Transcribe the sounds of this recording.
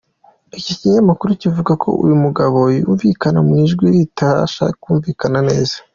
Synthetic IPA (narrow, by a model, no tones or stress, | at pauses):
iciciɲamakuɾucivuɡakʰo̞̰ʔṵjumuɡaβo̞jṵːɱvikanamŋiʒɡwijitaʃa̰kuːɱvikanane̞ːzḁ